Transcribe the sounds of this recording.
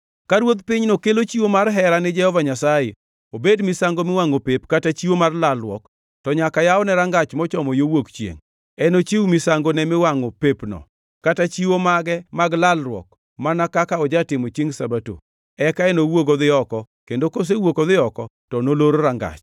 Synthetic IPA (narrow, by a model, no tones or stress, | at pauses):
kaɾwod̪pɪɲnokelot͡ʃiwomarɦɛɾanɪd͡ʒɛhɔvaɲasaje | obedmɪsaŋɡomɪwaŋopepkatat͡ʃiwomarlalrwɔ̰k | tɔɲakajaɔnɛɾaŋɡat͡ʃmɔt͡ʃɔmɔjowokt͡ʃjḛŋ | ɛnot͡ʃiwumɪsaŋɡonɛmɪwaŋopepnɔ̰ | katat͡ʃiwomaɡɛmaɡlalrwɔ̰k̚ | manakakaɔd͡ʒatɪmot͡ʃiŋsabato̰ | ɛkaɛnowoɡoðɪɔkɔ | kendokos̬ewokoðɪɔkɔ | tɔnoloɾoɾaŋɡa̰t͡ʃ